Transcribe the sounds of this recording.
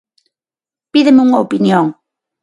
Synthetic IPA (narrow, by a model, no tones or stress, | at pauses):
piðemeuŋaopinjoŋ